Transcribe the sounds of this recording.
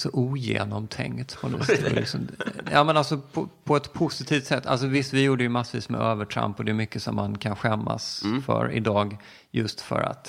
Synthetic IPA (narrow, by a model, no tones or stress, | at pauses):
sɔʔuːjḛːnɔmt̪ʰɛ̰ŋkt̪pʰɔnslɪ̰ksɔmjɑːmɛnalsɔpʰɔpʰɔɛt̪pʰʊsɪt̪ʰiːft̪sɛt̪ːa̰ls̬ɔvɪst̪vɪjuːɖəjɵmasviːsmɛ̰øːvəʈʰɾa̰mpːɔd̪ɛʉmʏkːəsɔmːankʰanɧɛmːasfœ̰ɾɪ̰d̪ɑːɡ | jɵst̪fœ̰ɾa̰t̪